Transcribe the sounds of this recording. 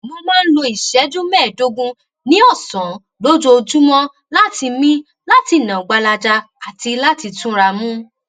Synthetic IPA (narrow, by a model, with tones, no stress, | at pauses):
mo˧mãː˦n̩˦lõ˧i˨ʃɛ˨˦d͡ʒũ˦mɛː˦˨do˧ɡũ˦ | nĩ˦ɔ˦˨sɔ̃˨˦ | lo˦d͡ʒo˧o˧d͡ʒu˦mɔ̃˦ | la˦ti˧mĩ˦ | la˦ti˧˦˨nã˨ɡ͡ba˧la˧d͡ʒa˧ | a˨ti˧la˦ti˧tũ˦ɾa˧mũ˦